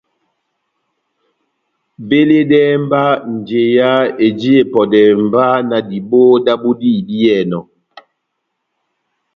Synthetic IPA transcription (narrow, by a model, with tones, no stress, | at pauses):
be˦le˦dɛ˦m˦ba˦n̩˨d͡ʒe˨ja˦e˨d͡ʒi˦e˦˨pɔ˨dɛ˨m˨ba˦na˨di˨bo˦da˦bu˦di˦di˦jɛ˦˨nɔ˨